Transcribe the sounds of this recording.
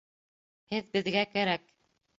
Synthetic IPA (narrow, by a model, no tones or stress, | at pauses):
hɘðbɘ̆ðɡækæɾæk̚